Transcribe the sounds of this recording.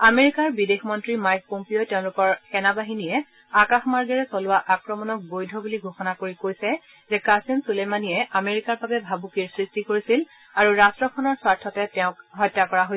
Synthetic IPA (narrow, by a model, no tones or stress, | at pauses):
ameɹikaɹbidexmɔntɹimajk̚pompiotɛʊ̃lʊkɔɹxɛnabaɦinijɛ | akaxmaɹɡɛɹɛsɔlʊwaʔakɹɔmɔnɔk̚bojdʱɔbuliɡʱoxɔnakoɹikojsɛ | zɛkasinsulemanijɛʔameɹikaɹbabɛbʱabukiɹsɹistikoɹisil | aɹuɹastɹɔkʰɔnɔɹswaɹtʰɔtɛtɛʊ̃kɦɔjtːakɔɹaɦoj